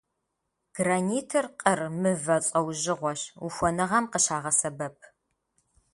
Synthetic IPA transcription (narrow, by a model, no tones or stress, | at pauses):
ɡ̥rɐniːtʰɐrqʼərmɨvɐt͡sʼɐwʒɪʁʷɔɕuxʷɔnɨʁɐmqəɕaːʁɐsɐbɐp̚ʰ